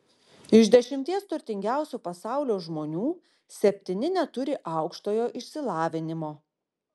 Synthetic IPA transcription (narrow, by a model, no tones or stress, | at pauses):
ɪʒʲd̪ʲɛʃʲɪmʲt̪ʲiɛst̪ʊɾʲt̪ʲɪŋʲɡʲæˑʊsʲupɐsɑˑʊlʲoːʒmoːnʲuː | sʲɛpʲt̪ʲɪnʲɪnʲɛt̪ʊɾʲɪʔɑʊkʃt̪oːjoːʔɪʃʲsʲɪlˠɑːʋʲɪnʲɪmoː